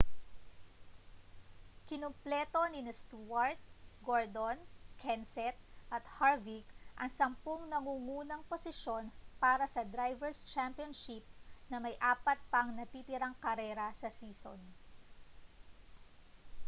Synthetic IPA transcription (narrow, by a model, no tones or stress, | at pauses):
kɪnomplɛːt̪o̞nɪnɐst̪uwɐɹt̪̚ɡoɹd̪onkʰɛnsɛt̪̚ʔɐt̪̚haɹvikʔɐŋsɐmpoŋnɐŋuːŋuːnɐŋposɪʃo̞npaːɾɐsɐd̪ɾajvɛɹst͡ʃampionʃip̚nɐmɐjʔaːpɐt̪̚pɐŋnɐt̪iːt̪ɪɾaŋkɐɾɛːɾɐsɐsiːso̰n